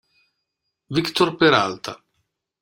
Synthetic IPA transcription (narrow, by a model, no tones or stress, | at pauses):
vikt̪orpeɾa̰lt̪a